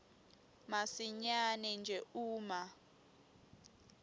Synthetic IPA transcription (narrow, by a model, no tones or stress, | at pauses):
masiɲanɛnd͡ʒʱɛuːma